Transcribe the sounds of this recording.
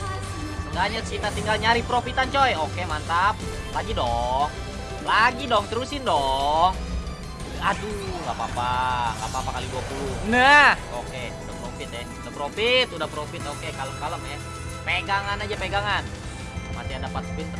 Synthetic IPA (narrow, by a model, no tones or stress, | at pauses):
daɲat̪sit̪at̪iŋɡalɲaɾipɾofit̪ant͡ʃɔjokemant̪ap̚ | laɡidɔŋ | laɡidɔŋt̪əɾusɪndɔŋ | aduŋapa̰paŋɡa̰papakaliɡuakunahoke | udahpɾofɪt̪ɛudahpɾofit̪udahpɾofɪt̪okekaləmkaləmɛ | peɡaŋanad͡ʒapeɡaŋan | ma̰t̪iadapat̪opit̪